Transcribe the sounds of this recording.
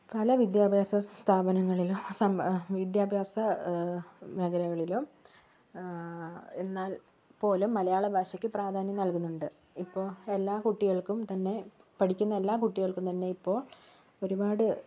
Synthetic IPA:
pɐlɐʋid̪jaːbʱjaːsɐst̪ʰaːbɐnɐŋːɐɭiloːsɐmʋid̪jaːbʱjaːsɐ | ʋeɡɐɾɐɣɐɭilo | e̞nːaːl | po̞ːlumːɐlɐjaːɭebʱaːɕɐkʲːɨpraːd̪ʱaːnjɐmnɐlkunːuɳɖɨ | ipːo̞ːe̞lːaːkuʈːiɣɐɭkumt̪ɐnːe̞ | pɐʈikʲːunːɐe̞lːaːkuʈːiɣɐɭkːumt̪ɐnːe̞ipːo̞ːɭ | o̞ɾubaːɽɨ

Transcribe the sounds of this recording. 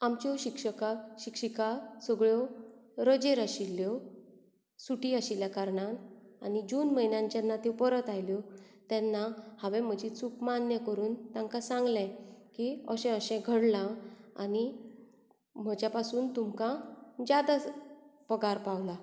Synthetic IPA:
amt͡ɕɔɕikʂəkaɕikʂikasəɡɭjɔɾəd͡ʑeɾaɕilːjɔ | suʈiaɕiljakaɾɳananid͡ʑuːnməjnãɲt͡ɕjanːat̪epəɾət̪ajljɔ | t̪ɛnːahaʋɛ̃m̤əd͡ʑit͡sukmanjəkəɾuːnt̪ãŋkasãŋɡlɛ̃kiəɕɛ̃əɕɛ̃ɡʱəɽlãa̰ni | m̤əd͡ʑjapasuːnt̪umkãd͡ʑad̪apəɡaɾpaʋla

